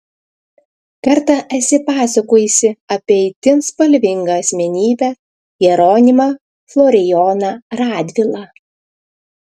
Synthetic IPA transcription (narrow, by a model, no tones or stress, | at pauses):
kɐɾt̪ɐʔɐt̪ʲsʲɪpɑːsɐkoːjisʲɪɐpʲiɛɪt̪ʲɪnspɐlʲʋʲɪŋɡɐɐsʲmʲɛnʲiːbʲɛ | jɛɾoːnʲɪmɐ | flˠɔːɾʲɪjɔːnɐɾɑːd̪ʲʋʲɪlˠɑ